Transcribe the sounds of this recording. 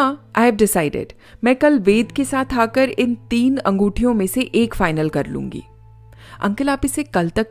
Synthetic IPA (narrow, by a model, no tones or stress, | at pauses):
ãa̰ːɦɛʋɖɪsaːɪɖɪ̰ɖ | mɛ̃ːkɐlʋeːd̪kesaːt̪ʰaːkəɾɪnt̪iːnɐ̃ŋɡuːʈʰijõmẽseʔeːkfaːɪnəlkɐɾlṵ̃ːŋɡḭː | ɐ̰̃ŋkɪlaːpɪsekɐlt̪ɐk